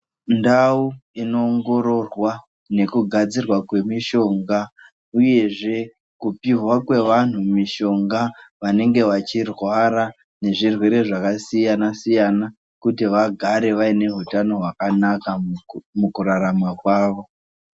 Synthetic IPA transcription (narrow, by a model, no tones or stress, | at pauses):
ndauino̞ːŋɡo̞ɾo̞rwa | ne̞kuɡʱad͡zirwakwe̞miʃo̞ːŋɡa | uje̞ʐe̞ | kupiɦwakwe̞ʋan̤umiʃo̞ŋɡaʋane̞ŋɡe̞ʋat͡ʃirwaɾa | ne̞ʐirwe̞ɾe̞ʐakasijanasijana | kutiʋaɡʱaɾe̞ʋaine̞ɦutano̞ɦwakanakamukuɾaɾamakwaːʋo̞